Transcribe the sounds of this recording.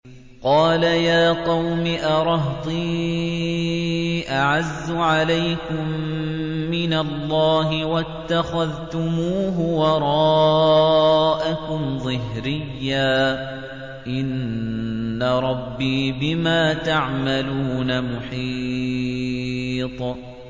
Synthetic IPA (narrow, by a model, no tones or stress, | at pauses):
qɑːlajaːqɑwmɪʔɑɾˤɑɦt̪ˤiː | ʔaʕazːʊʕalajkʊmː | ɪnalːɑːɦɪwat̪ːaxaðt̪ʊmuːɦʊwɑɾˤɑ | ʔakʊmzˤɨhɾɪjːaː | ʔɪnː | aɾˤɑbːiːbɪmaːt̪aʕmaluːnamʊħi | t̪ˤ